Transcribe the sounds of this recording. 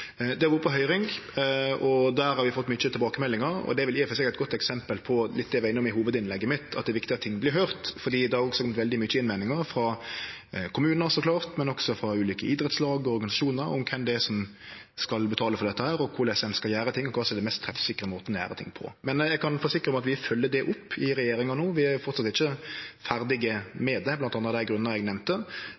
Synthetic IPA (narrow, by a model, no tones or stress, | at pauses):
d̪ɛbuːɾəpʰɔɦœʏɾɪŋ | ɔd̪æːɾhɑɾʋɪfɔt̪ːmʏt͡ʃːət̪ʰɪlbɑːkəmɛlːɪŋəɾɔ̰d̪ɛæɾʋɪlɪːfɛsɛkæɪt̪̚ɡɔt̪ːɛksɛmpəlpʰɔlɪt̪d̪ɛːɛʋæɪnːɔmɪɦuːʋəd̪ɪnlɛɡːəmɪt̪ʰɑt̪̚d̪ɛʋɪkt̪ɪɑt̪ːʰɪŋːblɪɾɦœʏʁt̪fɔd̪iːd̪ɛhɑɾɔksɔkɔmət̪ʋɛld̪ɪmʏt͡ʃːəɪnmæɪnɪŋəɾfɾɑ | kʰʊmʉːnəɾsɔkʰlɑːɾt̪mɛnɔksɔfɾɑʉːliːkəʔɪd̪ɾɛt̪slɑːɡɔɔɾɡɑnɪsɑʃuːnəɾɔ̰mkʰɛmd̪ɛsɔm | skɑlbət̪ʰɑːləfɔʁd̪ɛt̪ːəhæːɾɔkʰʊɾlɛsɛnskɑljæːɾət̪ʰɪŋːɔkʰʋɑːsɔɛd̪ɛmɛst̪ʰːɾɛfsɪkːɾəmoːt̪ənjæ̰ːɾət̪ʰɪ̰ŋːpʰɔ̰mɛnjɛɡkʰɑnfoːsɪkːɾəɔmɑt̪ʋɪfœlːəd̪ɛʔʊpːɪɾɛjeːɾɪŋɑnuːʋɪæfɔɾt̪sɑt̪ːɪçːəfæɾd̪ɪɡəmeːd̪ɛblɑnt̪ɑnɑd̪æɪɡɾʉnənəɾɛɡnɛmt̪ə